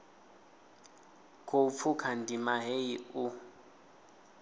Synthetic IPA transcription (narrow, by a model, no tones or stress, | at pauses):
kʰop̪fʰukʰandimaɦeiu